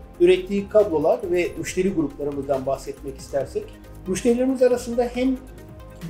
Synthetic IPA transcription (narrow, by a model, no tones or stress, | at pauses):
yɾɛt̪ːiːkʰad̪lˠolˠaɾvɛmyʃt̪e̞ɾiɡuɾuplˠaɾɯmɯzd̪anbaxsɛt̪mɛci̥st̪ʰæɾsɛc | myʃt̪ʰe̞ɾilʲeɾimizaɾasɯnd̪ahæm